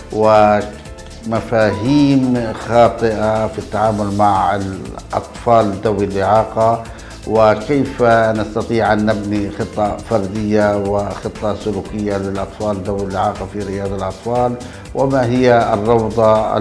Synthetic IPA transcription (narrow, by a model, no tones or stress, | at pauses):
wɪ | mafaːɦiːmxɑːt̪ˤɨʔafit̪ːaʕaːmʊlmaʕɪ̰lʔɑ̰t̪ˤfɑːld̪ːawːilʔɪʕɑːqɑ | wɪkeːfnast̪ɑt̪ˤiːʕʔanːabnixɨt̪ˤːɑfɑɾˤd̪ɪjːawɪxɪt̪ˤːɑsʊluːkɪjːalɪlʔɑt̪ˤfɑːlɪd̪ːawːilʔɪʕɑːqɑfiɾɪjɑːd̪alʔɑt̪ˤfɑːl | wʔɪmaɦɪjːarˤːɑwd̪ˤɑ̰